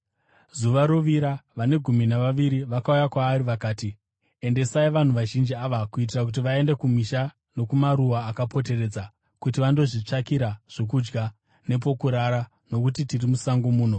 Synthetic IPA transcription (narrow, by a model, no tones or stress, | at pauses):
zuʋaɾoʋiɾaʋane̞ɡʱuminaʋaʋiɾiʋakaujakwaːɾiʋakaːti | e̞nde̞saiʋan̤uʋaʒind͡ʒiaʋakuit̬irak̬ut̬iʋae̞nde̞kumiʃa | no̞kumaɾuwaːkapo̞te̞re̞ːd͡za | kut̬iʋando̞ʐit͡ʂakiɾaʐ̥o̞kud͡ʒɡa | ne̞p̬o̞kuɾaɾa | no̞kutitirimusaŋɡomuːn̤o̞